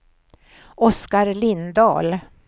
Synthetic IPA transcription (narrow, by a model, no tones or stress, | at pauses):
ɔskaɾlɪnd̪ɑ̰ːl